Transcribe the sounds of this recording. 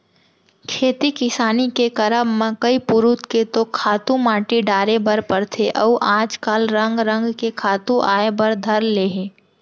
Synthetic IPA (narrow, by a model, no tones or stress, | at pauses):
kʰeːt̪ikɪsaːnikekɐɾəbmẽkəipʊɾut̪ket̪okʰaːt̪ũmaːʈiɖaːɾebəɾpɐɾt̪ʰeʔɐːʔãːd͡ʒkaːlɾə̃ŋɡɾə̃ŋɡkekʰaːt̪ũʔaːebɐɾd̪ʱɐɾleːɦeː